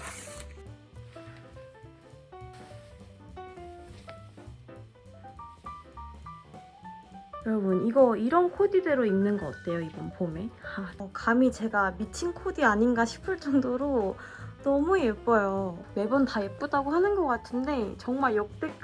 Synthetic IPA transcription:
jʌɾʌbuniɡʌiɾʌnkʰodideɾoinnɯnɡʌk͈at̚t͈ʰe̞joibʌnpomeaʌkamit͡ɕe̞ɡamit͡ɕʰinkʰodiaɲinɡaɕʰi̥pʰɯɭt͡ɕ͈ʌŋdoɾo | nʌmujep͈ʌjome̞bʌntaep͈udaɡohanɯnɡʌk͈atʰɯnde̞t͡ɕʌŋmaɭjʌk̚t͈e̞k

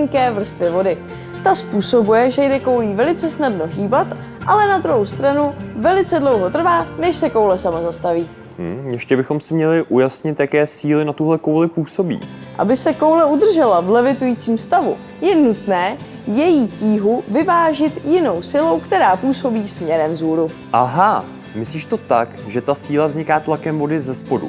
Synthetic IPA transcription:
ŋkɛːvr̩st̪vɪvo̞dɪ | t̪aspuːso̞bujɛʒɛjdɛko̞wliːvɛlɪt͡sɛsnadno̞ɦiːbat̪ | ʔalɛnad̪ɾuɦowst̪ɾanuvɛlɪt͡sɛdlo̞wɦo̞t̪r̩vaːnɛʃsɛkowlɛsamazast̪aviː | jɛʃcɛbɪxo̞msɪmɲɛlɪʔujasɲɪt̪jakɛːsiːlɪnat̪uɦlɛkowlɪpuːsobḭː | ʔa̰bɪsɛko̞wlɛud̪r̩ʒɛlavlɛvɪt̪ujiːt͡siːmst̪avṵ | jɛnut̪nɛː | jɛjiːciːɦuvɪvaːʒɪt̪jɪno̞wsɪlo̞wkt̪ɛɾaːpuːso̞biːsmɲɛɾɛmzuːɾu | ʔaɦa | mɪsliːʃt̪o̞t̪akʒɛt̪asiːlavzɲɪkaːt̪lakɛmvo̞dɪzɛspodṵ

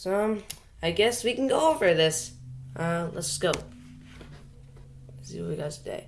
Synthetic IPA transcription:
som | aɪɡɛswikn̩ɡoʊoʊvə˞ðɪsʔʌlə̰tskoʊp̚ | sḭwə̰wiɡaʊz̥tʰɨdḛɪ

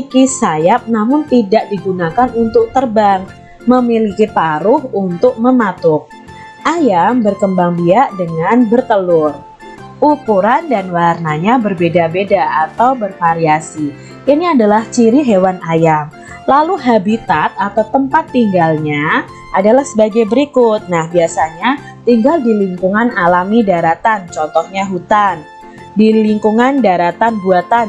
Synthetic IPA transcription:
ikisajap̚namʊnt̪idaʔdiɡunakanunt̪ʊk̚t̪ərbaŋ | məmilikip̪aɾʊhunt̪ʊk̚məmat̪ʊk̚ | ʔajambərkəmbaŋbiaʔdəŋanbərt̪əlʊr | ʔukuɾandanwarnaɲabərbedabedaat̪awbərfaɾiasi | ʔiniadalaht͡ʃiɾiɦewanajam | laluɦabit̪at̪̚at̪awt̪əmpat̪ːiŋɡalɲa | adalahsəbaɡajbəɾikʊt̪̚nahbiasaɲa | t̪iŋɡaldiliŋkuŋanalamidaɾat̪ant͡ʃɔnt̪ɔhɲaɦut̪an | diliŋkuŋandaɾat̪anbuat̪an

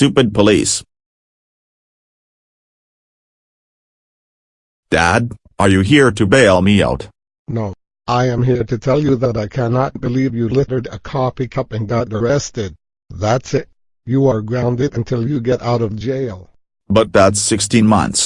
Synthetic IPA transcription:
stʉpɨd̚pʰəlḭs | d̥æ̰d̚ | ʔə˞jɨɦiɹɾɨbeɪlˠmia̰ʊt | noʊ | ʔaɪɨ̃mɦiɹɾɨtʰɛlˠjɨðəɾaɪkʰænɑt̚b̥ɨlivjɨlɪɾə˞ɾə̰kʰɑfikʰʌpɪ̃ŋɡɑt̚ə˞ɛstɪd̚ | ðætsɪt̚ | jɨə˞ɡɹãʊ̃ndɨɾɨ̃ntʰɪlˠjɨɡɛɾʔaʊɾʌvd͡ʒeɪlˠ | bʌt̪̚ðætsɪkstʰĩnmʌ̰̃nθs

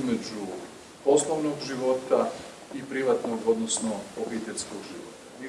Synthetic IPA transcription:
med͡ʑu | po̞slˠoʋnoɡʒiʋo̞t̪a | ipɾiʋat̪noɡo̞d̪nosnoobit̪eʎʲskoɡʒiʋot̪ai

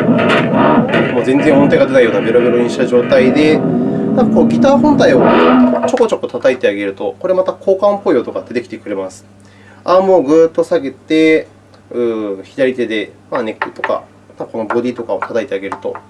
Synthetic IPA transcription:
ɯmo̞ːzẽ̞nd͡zẽ̞ɰ̃mõ̞nt̪aiɡad̪e̞t̪aijo̞ːnabeɾobeɾoɲ̟iɕi̥t̪aʑo̞ːt̪aid̪e̞nãŋkako̞ːɡʲit̪aːhõ̞nt̪aio̞t͡ɕo̞ko̞t͡ɕo̞kot̪at̪ait̪e̞aɡe̞ɾɯ̟t̪o̞ko̞ɾe̞amat̪akʰo̞ːkãmpo̞joːt̪o̞kad̪̥e̞t̪e̞kʲi̥t̪e̞kɯ̟ɾe̞masɨ̥ | amo̞ːɡɯ̟ːt̪ːo̞saɡe̞t̪e̞ | ɯ̟̃ːçid̪aɾʲit̪e̞d̪e̞mane̞kːɯ̟t̪o̞ka̰ | mat̪ako̞no̞bo̞d̪ʲiːt̪o̞kao̞t̪ʰat̪ait̪e̞aɡe̞ɾɯ̟t̪o̞

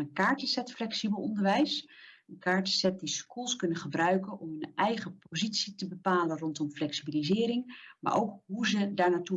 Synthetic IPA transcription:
ənkaːɹtəsɛtflɛksibəlˠɔndəɹʋɛjsənkaːɹtə̥sɛt̚diskulˠskɵnəχəbrœɥkənʔɔmɦɵnʔɛjχəpowzitsitəbəpaːlənrɔntɔmflɛksibilizɪːɾɪŋma̰ːɹʔo̰wkɦuzədaːɹnaːtu

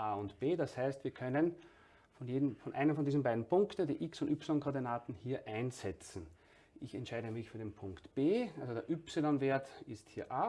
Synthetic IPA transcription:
ʔaːʊntb̥eːdashæɪstv̥iːɐkʰœnən | fɔnjeːdmfɔnʔæ̰ɪnəmfɔndiːzn̩baɪdn̩pʊŋktn̩dḭːʔɪksʊntypsɪlɔnkʰɔɐdinaːtn̩hiːɐʔæɪnzɛt͡sn̩ | ʔɪçɛ̰ntʃæɪɾəmɪçfyːɐdeːnpʰʊŋktb̥eːʔalzodeːɐʔʏpsɪlɔnveːɐtɪsthiːɐʔaː

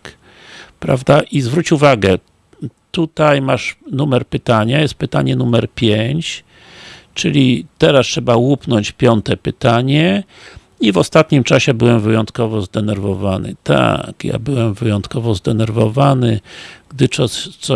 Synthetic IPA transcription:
pɾa̰vd̪aʔizvɾut͡ɕuvaɡɛ | t̪ut̪ajmaʂnumɛɾpɘt̪aɲajɛst̪̚pɘt̪aɲɛnumɛɾpʲjeɲt͡ɕ | t͡ʂɘlʲit̪ɛɾastʂɛbawupnɔɲt͡ɕpʲjɔnt̪ɛpɘt̪aɲɛ | ivɔst̪at̪ɲimt͡ʂaɕɛbɘwɛmvɘjɔnt̪kɔvɔzd̪ɛnɛɾvɔvanɘ̰t̪a̰kja̰bɘwɛmvɘjɔnt̪kɔvɔzd̪ɛnɛɾvɔvanɘɡ̥d̪ɘt͡ʂɔsɔ

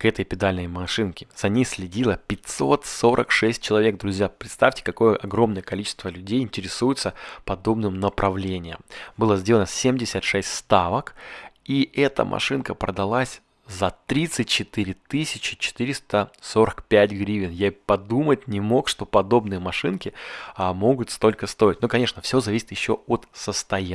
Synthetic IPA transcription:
kɛt̪əjpʲɪd̪alʲnəjmɐʂɨnkʲɪ̥z̥ɐnʲejsʲlʲɪdʲilˠəpʲɪtʲso̞t̪so̞ɾʔə̰kʂɛsʲt̚ʲt͡ɕɪlˠɐvʲe̞k̚d̪ɾʊzʲjapɾʲɪt̪st̪afʲtʲɪ̥kɐko̞jəʔɐɡɾo̞mnəjəkɐlʲit͡ɕɪ̥st̪vəlʲʉdʲejɪnʲtʲɪɾʲɪsujɪt̪səpɐd̪o̞bnɨmnəpɾʔɐvlʲenʲɪjə̰mbɨlˠəzʲdʲeənəsʲemdʲɪsʲət̪ʂɛsʲtʲst̪avəkiʔɛt̪ə̰mʔɐ̰ʂɨnkəpɾə̰d̪ɐlˠasʲ | zɐt̪ɾʲit̪sɨt̚ʲt͡ɕɪt̪ɨɾʲɪt̪ɨsʲɪt͡ɕɪ̥t͡ɕɪ̥t̪ɨɾʲɪst̪əso̞ɾəkpʲæt̚ʲɡɾʲivʲɪnjapɐd̪umətʲnʲɪmo̞kʂt̪o̞pɐd̪o̞bnɨjəmɐʂɨnkʲɪmo̞ɡʊt̪st̪o̞lʲkəst̪o̞ɪt̚ʲnokɐnʲe̞ʂnəfsʲo̞zɐvʲisʲɪt̪jɪɕːoot̪səst̪ɐj

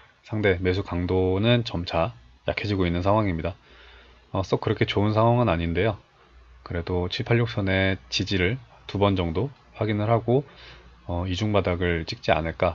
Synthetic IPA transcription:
sʰaŋde̞me̞s̬ʰukaŋdonɯnt͡ɕʌmt͡ɕʰa | ja̰kʰed͡ʑiɡoinːɯnsʰaŋɦwaŋimɲida | ʌs͈okɯɾʌkʰe̞t͡ɕoɯnsʰaŋɦwaŋɯnaɲinde̞jo | kɯɾe̞dot͡ɕʰiɭpʰaɭːok̚s͈ʰʌne̞t͡ɕid͡ʑiɾɯɭ | tubʌnd͡ʑʌŋdo | ɸwaɡinɯɭɦaɡo | ʌid͡ʑuŋbadaɡɯɭt͡ɕ͈ik̚t͡ɕ͈ia̰nɯɭk͈a

